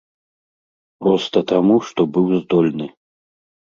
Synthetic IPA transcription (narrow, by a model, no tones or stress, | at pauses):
pɾɔst̪ɐt̪amuʂt̪ɔbɨwzd̪ɔlʲnɨ